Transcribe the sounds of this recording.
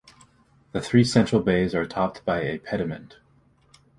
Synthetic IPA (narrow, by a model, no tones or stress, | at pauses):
ðɨθɹisɛ̃nt͡ʃɹ̥l̩ˠbeɪzə˞tʰɑp̚t̚b̥aɪɨpʰɛɾɨmɨ̰̃nt